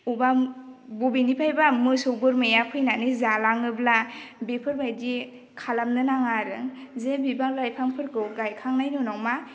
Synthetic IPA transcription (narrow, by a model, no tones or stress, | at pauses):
ubabubinipʰajbamɯsɯwbɯɾmejapʰɯjnanɯzalaŋɯblabepʰɯɾbajdi | kʰalamnɯnaŋaɾɯŋzebibaŋlajpʰaŋpʰɯɾkʰɯwɡajkʰaŋnajnɔnawma